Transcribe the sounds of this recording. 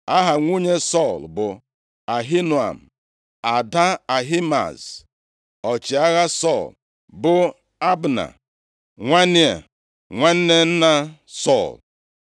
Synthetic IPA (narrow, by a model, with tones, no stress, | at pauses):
a˦ɦa˨ŋʷu˦ɲe˦sɔ˦˨lbʊ˨ | a˨ɦi˦nu˨a̰˨m̩˨ | a˨da˦a˨ɦi˦ma̰˨z | ɔ˨t͡ʃi˨a˦ɣa˦sɔ˦˨l | bʊ˨ | a˦bna̰˨ | ŋʷa˦nɪ˦a̰˨ | ŋʷa˦n̩˦ne˦n̩˦na˦ | sɔ˦˨l